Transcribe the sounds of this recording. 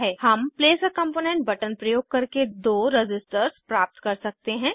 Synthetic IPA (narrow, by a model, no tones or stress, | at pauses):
ɦɛːhɐmpleːsəkɐ̃mpoːnɛ̃ːɳʈ̚bɐʈənpɾɐjoːɡ̚kɐɾked̪oːɾɪd͡ʒɪsʈəɾspɾaːp̚t̪kɐɾsɐk̚t̪eɦɛ̃ː